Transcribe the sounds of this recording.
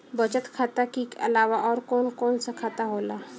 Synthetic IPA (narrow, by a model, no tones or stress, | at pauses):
bɐt͡ʃət̪kʰaːt̪akikɐ̰laːʋaʔɔːɾkɔːnkɔːnsakʰaːt̪aɦoːlaː